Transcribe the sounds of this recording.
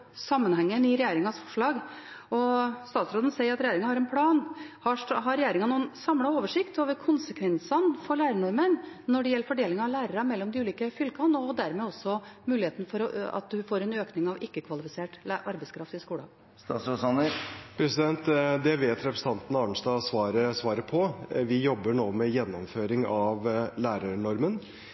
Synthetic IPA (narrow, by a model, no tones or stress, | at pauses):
sɑmːənhɛŋːənɪɾɛjeːɾɪŋɑsfɔ̥ʂɭɑːɡ | ɔst̪ɑːt̪sɾoːd̪n̩sɛɪəɾɑt̪ɾɛjeːɾɪŋɑhɑɾɛnpʰlɑːnhɑɦɑɾɛjeːɾɪŋɑnuːənsɑmlɑoːʋəʂɪkt̪oːʋəɾkʰʊnsəkʰʋɛnsɑnfɔɭæːɾəɳɔɾmənnɔɖɛjɛlːəɾfɔɖeːlɪŋɑʋlæːɾəɾɑmɛlːɔmd̪ɪʉːliːkəfʏlkɑnɔd̪æɾmɛːɔsɔmʉːlɪheːt̪nfɔɾɔɑ̰t̪̚d̪ʉfoːɾɛnøːknɪŋɑʋɪkːəkʰʋɑlɪfɪseːʈʔɑɾbɛɪskʰɾɑft̪ɪskuːlɑ | st̪ɑsɔsɑnəpʰɾɛsɪd̪ɛnt̪d̪ɛʋeːt̪ɾɛpɾəsəɑnt̪ən̩ɑːɳ̩ʂd̪ɑːsʋɑːɾəsʋɑːɾəpʰɔʋɪjɔbːəɳoːmɛjɛnːɔmføːɾɪŋɑʋlæːɾəɳɔɾmən